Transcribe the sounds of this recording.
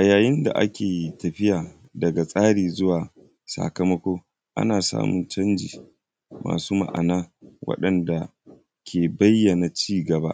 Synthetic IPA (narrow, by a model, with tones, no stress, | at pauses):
ʔa˨jaː˨jɪ˦nda̰˨ʔa̰˦kʲeː˨tɐ˨ɸɪ˦jaː˨ | dɐ˨ɡa˨sʼaː˦ɽiː˨zʊ˦waː˨ | sa̰˨kɐ˦mɐ˦kʷoː˦ | ʔa̰˦naː˨sa̰ː˦mʊ˨nt͡ʃɐ˦nd͡ʒḭː˨ | mʔa̰ː˨suː˦ma̰˨ʔa̰˨naː˦wɐ̰˦ɗɐ˨nda˨ | kʲʰeː˨bɐ˦jːɐ˨na˨t͡ʃiː˦ɡɐ˨ba˦ʔ